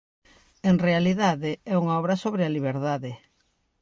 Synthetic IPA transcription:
eŋrealiðaðɪɛuŋaɔβ̞ɾɐsoβɾealiβ̞eɾðaðɪ

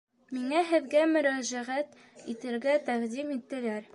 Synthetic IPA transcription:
miŋɑɦɘ̆ðɡæmɵ̆ɾæʒæʁæt̪ | it̪ɘ̆ɾɡæt̪æʁd̪imit̪ːɘ̆læɾ

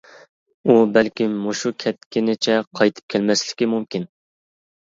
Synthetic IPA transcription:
ubɛlkʲimːoʃukʲʰɛt̪̚kʲɪnɪt͡ʃʰɛqʰɑjt̪ʰɨ̥p̚kʲʰɛlmɛslɪ̥kʲimumkʲin

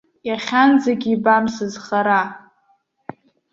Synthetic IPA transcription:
jaχʲanzaɡʲiibamsɨzχaɾa

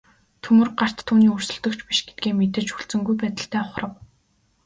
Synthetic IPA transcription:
t̪ʰɵmɵ̆rɢar̥t̪ʰːuːniːɵr̥sɵ̆ɮt̪ɵ̆kt͡ɕpiʃɡet̪̚ɡeːmet̪ɘ̆t͡ɕxuɮt͡sɵ̆ŋɡujpæːt̪ə̆ɬt̪ʰæːʊχrə̆w̚

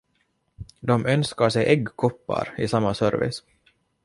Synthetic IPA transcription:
d̪ɔmœnskaʂɛjʔɛɡkʰɔpːa̰ɾɪsamːasœɾvɪ̰s

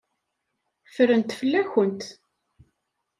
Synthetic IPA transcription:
fəɾənt̪fəlːæçənt̪

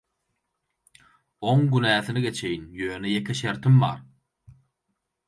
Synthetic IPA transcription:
oŋɡynæːθiniɡe̞t͡ʃʰe̞jinjøːnejekʰeʃeɾt̪ʰimbɑ̰ːɾ

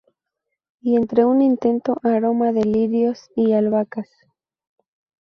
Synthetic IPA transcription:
ie̞nt̪ɾe̞unint̪e̞nt̪o̞ʔaɾo̞maðeliɾjo̞sialβakas

